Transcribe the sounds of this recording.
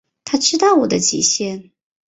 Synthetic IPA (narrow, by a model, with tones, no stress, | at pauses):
t̪ʰa˥ʈ͡ʂɻ̩˥t̪ɑ˥˩ʊwɔ˨˩d̪ə˦t͡ɕḭ˨˩ɕjɛ˥n